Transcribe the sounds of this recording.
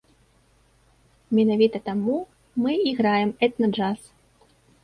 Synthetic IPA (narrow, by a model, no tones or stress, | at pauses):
mʲɛnavʲit̪ɐt̪amu | mɨiɣɾajɛmɛt̪nɐd͡ʐas